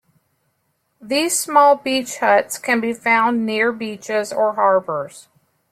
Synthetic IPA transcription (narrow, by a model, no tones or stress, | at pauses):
ðiz̥smɔlˠbit͡ʃhʌtskʰɨ̃nbifãʊ̃nːɪɹbit͡ʃɪzə˞ɦɑɹbə˞z̥